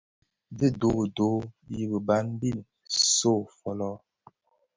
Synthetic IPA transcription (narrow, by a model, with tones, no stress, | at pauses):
di˦˨do˦˨do˨˦ji˦bə˨ba˨˦n˦bi˦˨n | so˦˨fɔ˨lɔ˦